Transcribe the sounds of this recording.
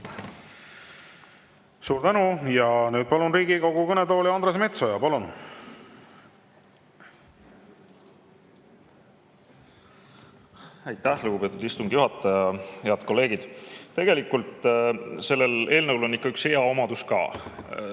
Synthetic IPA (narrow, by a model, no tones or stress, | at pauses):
suːɾt̪ænujɑnyːd̪̥̚pɑlunriːɡikoɡukɤned̪o̞ːlʲiɑnd̪ɾes̬me̞t̪so̞jɑpɑlun | æjt̪ːæhluɡ̥upe̞ːt̪ːˑud̪ist̪uŋɡ̥juɦɑt̪ːˑɑjɑhe̞ɑd̪̥ko̞lːe̞ːɡ̥id̪̥t̪e̞ɡ̥e̞likːˑult̪se̞lːele̞ːlnɤwlo̞nːikːɑyksheɑo̞mɑd̪̥uskɑ̰ː